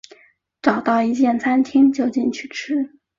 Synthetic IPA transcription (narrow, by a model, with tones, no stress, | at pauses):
ʈ͡ʂɑ˨˩ʊt̪ɑ˥˩ʊi˧˥t͡ɕjɛ˥˩nt͡sʰa˥nt̪ʰi˥ŋt͡ɕjo˥˧ʊt͡ɕi˥˧nt͡ɕʰy˥˩ʈ͡ʂ̩ʰ˥